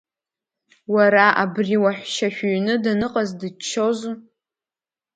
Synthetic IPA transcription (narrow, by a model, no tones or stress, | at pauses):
waɾaʔabriwaħʷʃaʃᶣuɥnɨdanɨqʼazdɨt͡ʃʰːoz